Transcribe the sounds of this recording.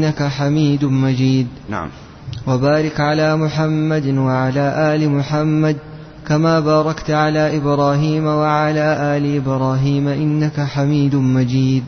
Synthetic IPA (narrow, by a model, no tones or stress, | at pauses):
akaħamiːd̪mad͡ʒiːd̪̰ | wabaːɾɪkʕalaːmʊħamːad̪waʕalaːʔaːlɪmʊħamːad̪̚ | kamaːbaːɾˤɑkt̪ʕalaːʔɪbɾɑːɦiːmawaʕalaːʔaːlɪʔɪbɾɑːɦiːmaʔɪnːakaħamiːd̪mad͡ʒiːd̪̚